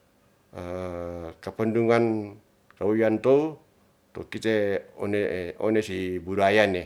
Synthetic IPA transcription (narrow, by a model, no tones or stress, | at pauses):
ə | kapənduŋan | kauiant̪ou | t̪okit̪eɔneɔ̰nesibuɾajane